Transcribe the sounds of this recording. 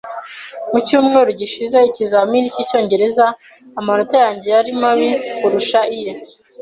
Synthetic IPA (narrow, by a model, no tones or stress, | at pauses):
mucuːmŋeːɾuɟiʃize̞icizaminicico̞ːɲɟe̞ɾe̞zaː | manotajaːɲɟe̞jaɾimaβikuɾuʃaija